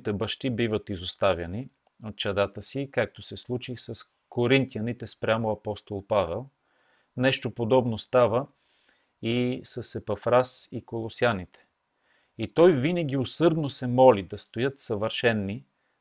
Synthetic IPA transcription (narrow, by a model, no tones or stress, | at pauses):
t̪ɛbɐʃt̪ibivət̪izost̪avʲjɐni | ot̪̚t͡ʃɐd̪at̪əsikak̚t̪osɛslˠut͡ʃisɐs | koɾint̪iɐnit̪ɛspɾʲamoɐpɔst̪olˠpavɛlˠ | nɛʃt̪opod̪ɔbnost̪avə | isɐsɛpɐfɾasikolˠosianit̪ɛ̥ | it̪ɔjvinəɡ̟iosɤɾd̪nosɛmɔlid̪ɐst̪ojɤt̪sɐvəɾʃɛnːi